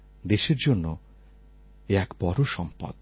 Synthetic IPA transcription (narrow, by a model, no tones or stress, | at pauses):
d̪eʃeɾd͡ʒonːo | eakbɔɾuʃɔmpɔ̰d̪